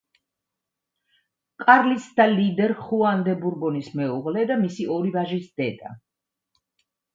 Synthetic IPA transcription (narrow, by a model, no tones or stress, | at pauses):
kʼaɾlisd̪alid̪ɛɾχuand̪ɛbuɾbɔnismɛuʁlɛd̪amisiɔɾivaʒisd̪̥ɛd̪a̰